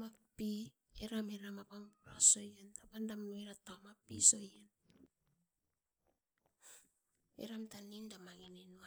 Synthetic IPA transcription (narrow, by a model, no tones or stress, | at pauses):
mapi | eɾameɾamapaŋa̰so̞jentapandamnoeɾatamapːḭso̞jen | ḛɾamtanindamaŋenenua